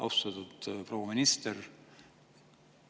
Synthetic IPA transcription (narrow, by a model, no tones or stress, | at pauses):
ʔɑ̰wst̪ɑt̪ut̪prowɑminist̪er